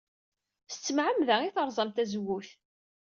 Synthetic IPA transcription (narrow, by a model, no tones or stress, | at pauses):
sət͡sːəmʕəmðæiθəɾˤzˤɑmt̪æzwuθ